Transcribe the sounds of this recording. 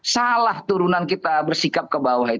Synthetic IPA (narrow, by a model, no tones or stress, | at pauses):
salaht̪uɾunankit̪abərsikap̚kəbawaɦit̪